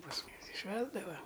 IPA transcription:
pɐs ˈmʊmʲɪs ɪ ˈʃʲʋʲæːzdɐʋɐ

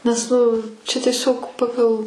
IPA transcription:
nʲɛs ˈnʊ t͡ʃʲɛ tʲiɛˈsʲoːk ˈpɑːɡɐlˠ

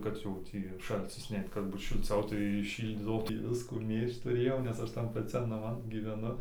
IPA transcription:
ˈkɐt jɛʊ ˈtʲiː ˈʃɐlʲt͡sʲɪs ˈnʲɛɪt kɐt ˈbuːt ʃʲɪlʲˈt͡sʲɛʊ tɐɪ ˈʃʲiːlʲdʲiːdɐʋoː ˈtʲiː ˈʋʲɪskuː ˈmʲeːʃt tʊˈrʲeːjɛʊ nʲɛs ˈɐʃ tɐn pɐˈt͡sʲɛn nɐˈmɐn ɡʲɪʋʲɛˈnʊ

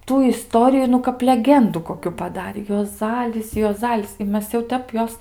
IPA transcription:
ˈtuː ɪˈstoːrʲɪjʊ nʊ kɐp lʲɛˈɡʲɛndʊ koːˈkʲʊ pɐˈdɑːrʲeː juɔˈzɑːlʲɪs juɔˈzɑːlʲɪs ɪ ˈmʲɛs jɛʊ ˈtʲɛp ˈjoːs

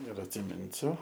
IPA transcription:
ɪr ɐtʲsʲɪˈmʲɪnʲsʲʊ

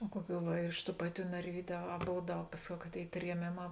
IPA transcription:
oː ˈkuɔˌkʲuː ʋɐ ɪr ɪʃ tuː ˈpɑːˌtʲuː nɐrʲˈʋʲiːdʲʊ ɐ ɐ ˈboːw ˈdɐʊk ˈpɑːsʲˌkʲɛʊ kɐ ˈtʲeːɪ tʲrʲiɛˈmʲeːˌmɑː

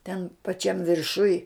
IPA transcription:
tʲɛn pɐˈt͡ʃʲɛm ʋʲɪrˈʃʊj

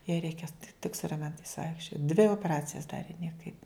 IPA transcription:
jɛɪ ˈrʲɛɪkʲɛ tʲɪk sʊ rɐˈmʲɛntɐɪs ˈʋɐɪkʃʲt͡ʃʲoːt dʲʋʲɪ oːpʲɛˈrɑːt͡sʲɪjɛs ˈdɑːrʲeː nʲiɛˈkɐɪp

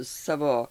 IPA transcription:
ˈsɑːʋoː

